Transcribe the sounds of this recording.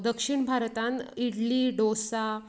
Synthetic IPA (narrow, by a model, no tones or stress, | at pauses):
d̪əkʂiɳbʱaɾt̪ãniɽliːɖosa